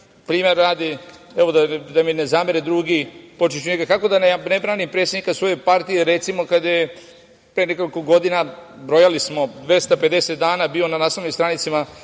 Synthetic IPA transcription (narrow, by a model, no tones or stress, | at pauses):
pɾiːmeɾːaːd̪ieʋo̞d̪ad̪aminezaːmeɾed̪ɾuɡipo̞t͡ʃiʃuɲeɡakako̞d̪anenebɾaːnimpɾet̪sed̪nikasʋo̞jopaɾt̪ijeɾet̪simo̞kad̪aje | pɾeneko̞liko̞ɡo̞d̪inabɾojalismo̞d̪ʋest̪ape̞d̪e̞set̪d̪aːnabiːo̞nanaːsnoʋnimst̪ɾanit̪sima